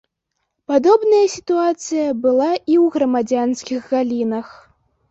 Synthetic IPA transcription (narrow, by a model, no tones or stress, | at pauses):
pad̪ɔbnɐjɐsʲit̪uat̪sɨjɐbɨlˠaiwɣɾɐmad͡zʲanskʲiɣɣalʲinɐx